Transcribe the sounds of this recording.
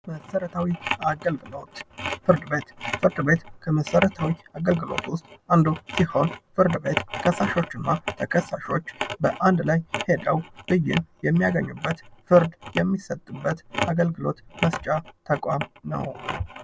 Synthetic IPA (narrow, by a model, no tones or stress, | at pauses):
məsəɾət̪ʰawialɡot̪fɨɾd̪ɨbet̪fɨɾd̪be̞t̪kʰəməsəɾət̪ʰawiaɡəlɡɨlo̞̰t̪wʊst̪ʼand̪usiho̞nfɨɾd̪ɨbe̞t̪kʰəsːaʃo̞t͡ʃːɨnːat̪ʰəkʰəsːaʃo̞t͡ʃːbəʔand̪lajhe̞d̪əwb̥ɨjːɪ̰njɛmːijaɡəɲːubːət̪fɨɾd̪jɛmːisət̪ʼːɨbːət̪aɡəlɡɨlo̞̰t̪məst͡ʃʼat̪ʰəkʼamnə̰w